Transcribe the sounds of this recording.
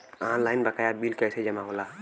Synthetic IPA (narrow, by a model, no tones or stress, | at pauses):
anlajnbəkajabilkəjsed͡ʒəmaɦola